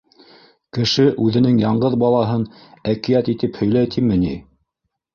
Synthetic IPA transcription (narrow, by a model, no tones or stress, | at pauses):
kɘ̆ʃɘʔʉðɘ̆nɘŋjɑɴɢɤðbɑlˠɑɦɤnækĭjæt̪it̪ɘphɵ̆jlæjt̪ʰimɘ̆ni